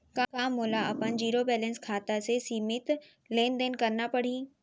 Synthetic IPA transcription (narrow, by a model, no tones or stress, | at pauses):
kakãːmʊːlaɐpənd͡ʑiːɾobɛːlɛ̃nskʰaːt̪asesiːmɪt̪ | leːnd̪eːnkɐɾnapɐɽ̤iː